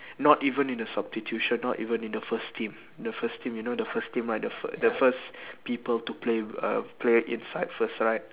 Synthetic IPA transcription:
nɔtivə̃nĩndəsabstitʰjuʃə̃nːɔtḭvə̃nĩndəfəstʰĩm | dəfəstĩmjunodəfəstĩmlajk̚dəfdəfəspipəltupʰleʌ̰pʰleḭ̃nsaɪdfəsɹaɪt̚

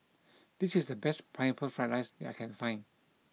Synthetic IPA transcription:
d̥isisdəbɛspʰãnfəlfɹɛ̃nlaɪsdɛta̰ɪkʰɛ̃nfãɪ̃n

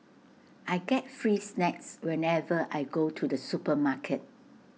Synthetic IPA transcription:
ʔajɡɛt̚fɹiːsnɛkswɛ̃nɛvəʔajɡotʰudəsupəmakʰət̚

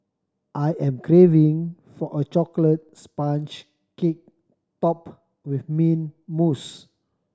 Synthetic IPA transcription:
ʔajʔɛ̃mkɹevĩŋ | fɔʔət͡ʃɔklət̚spãnt͡ʃ | kek̚ | tɔp | wifmĩnmus

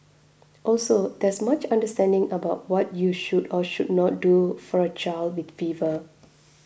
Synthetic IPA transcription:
ʔɔlsodɛsmat͡ʃãndəstɛ̃ndɪ̃ŋəbaʊt̚wɔt̚juʃudɔʃud̚nɔt̚dufɔɹət͡ʃaɪldwitfivə

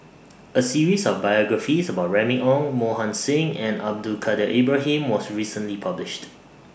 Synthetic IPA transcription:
əsiɹisɔfbajɔɡɹəfisəbaʊt̚ɹɛmiʔɔ̃ŋmohãnsɪ̃ŋɛ̃na̰b̚dulkʰadəʔebɹaɦĩmwɔsɹisə̃nlipʰablɪʃt

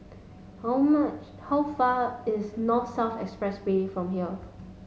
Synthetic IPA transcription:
haʊmat͡ʃ | haʊfaɪsnɔtsɛlfɛ̰kspɹɛsbeifɹɔ̃mɦiə

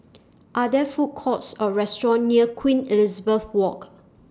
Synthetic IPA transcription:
ʔadɛfut̚kʰɔtsɔɹɛstɹɔ̃nːiəkʰwĩnilizəbəθwɔk

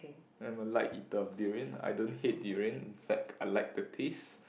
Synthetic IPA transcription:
ãmalaɪkitɔfdiɹə̃na̰jdõnɦet̚diɹə̃nĩnfɛk̚aɪlajk̚dətʰes

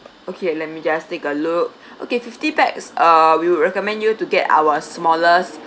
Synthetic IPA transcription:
okʰelɛt̚mid͡ʒastekəluk̚ | ʔo̰kefiftipɛk̚sʌwiwuɹɛkɔmɛ̃ndjutuɡɛta̰wəsmɔləs

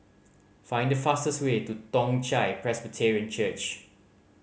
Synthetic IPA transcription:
fãɪ̃ndəfastəswetutɔ̃ŋt͡ʃaɪpʰɹɛsbətʰɛɹiə̃nt͡ʃət͡ʃ

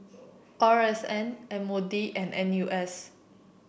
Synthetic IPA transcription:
kɔɹɛsɛ̃nɛ̃modiʔɛ̃nʔɛ̃njuʔɛs

